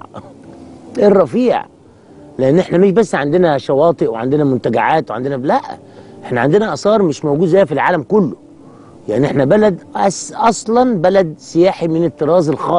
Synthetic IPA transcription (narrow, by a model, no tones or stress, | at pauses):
ʔerˤɾˤɑfiːʕ | leʔenːʔeħnæmeʃbæsːʕand̪enæʃɑwɑːt̪ˤeʔweʕand̪enæmʊnt̪æɡaʕaːt̪wʕa̰nd̪enælæʔ | ʔeħnæʕand̪enæʔɑsˤɑːɾˤmɪʃmowɡuːd̪zæjːfilʕaːlæmkʊlːo | jaʕniʔeħnæbælæd̪ʔæsʔɑsˤlɑnbælæd̪sɪjaːħimɪnet̪ːɨɾɑːzelxɑː